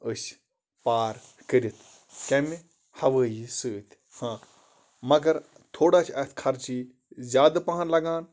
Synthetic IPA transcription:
əs | paːɾ | kəɾit̪ʰ | kɐmi | hɐʋəːjisɨt̪ʲ | hãː | mɐɡɐɾ | t̪ʰoːɽaːt͡ʃʰɐt̪ʰkʰɐɾt͡ʃiː | zʲjaːd̪ɐpɐɦɐnlɐɡaːn

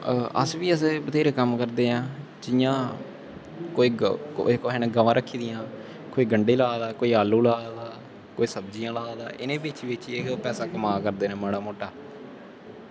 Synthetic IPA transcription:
ə̰sʋiːəsebət̪eːɾeːkəmkəɾd̪eːãː | d͡ʒɪjãː | koːiːo̰koɦɛnẽɡəʋãːɾəkʰːiːd̪ɪjãː | koːiːɡəɳɖeːlaːd̪aːkoːiːaːlːũːlaːd̪aː | koːiːsəbd͡ʒijãːlaːd̪aːʔɪnẽːbɪt͡ʃʋɪt͡ʃːeɦopɛːsaːkəmaːkəɾd̪eːnɛ̃ːməɽaːmoːʈaː

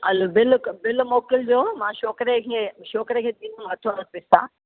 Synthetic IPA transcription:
ɐlobɪlkbɪlmoːkɪld͡ʑoːmãʃoːkɾekʰeːʃoːkɾekʰeːd̪iːnumɐt̪ʰonɐpɪst̪a̰

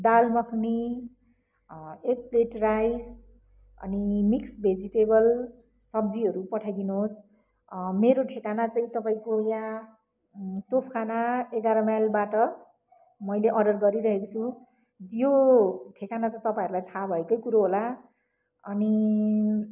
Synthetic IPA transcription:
d̪almʌkʰni | ek̚pleʈrajd͡z | ʌ̰nimiksbʱed͡ziʈebʌl | sʌb̚d͡ziɦʌɾupʌʈʰajd̪inoos | meɾoʈʰekanat͡saĩt̪ʌpaĩkoja | t̪opʰkʰanaeɡaɾʌmajlbaʈʌ | mʌjleʔʌɖʌrɡʌɾiɾʌɦekot͡sʰu | joʈʰekanat̪ʌt̪ʌpaĩʌɾulajt̪ʰabʱʌekʌjkuɾoɦola | ʌni

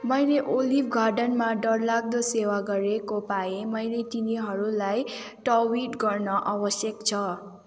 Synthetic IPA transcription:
mʌjleʔolipʰɡʱarɖʌnmaɖʌɽlaɡ̚d̪ʌsewaɡʌɾekopaemʌjlet̪iniɦʌɾulaj | ʈʌwiʈɡʌrnʌʔabʌsjʌkt͡sʰʌ

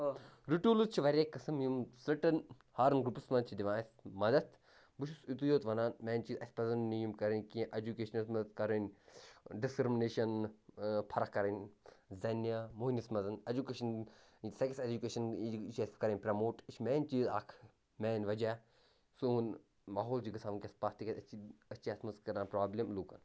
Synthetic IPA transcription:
ɾuʈuːluzt͡ʃʰiʋɐɾʲeːkːɐsɐmjumsɾɐʈɐn | haːɾɐnɡɾupusmɐnt͡ʃʰid̪iʋaːsmɐd̪ɐt̪ʰ | buʃusit̪ujoːt̪ʋɐnaːnmɛːnt͡ʃiːzɐsʲpɐzɐnnijumkɐɾɐnʲkĩʔɐd͡ʒukeːʃɐnɐsmɐd̪ɐt̪̚kɐɾɐnʲ | ɖiskɾimineːʃɐn | pʰɐɾɐkːɐɾɐnʲzɐnjamoːnɐsmɐzɐnɐd͡ʒukeːʃɐn | sɐksed͡ʒukeːʃɐnt͡ʃeskɐɾɐnʲpɾɐmoːʈit͡ʃʰmɛːnʲt͡ʃiːzaːkʰ | mɛːnʲʋɐd͡ʒaː | sun | maːɦoːld͡ʒikɐsaːʋnkʲɐspaːst̪ikɐt̪ɐt͡ʃiɐt͡ʃiɐt̪mɐskɐɾãːnpɾaːblʲemluːkɐn

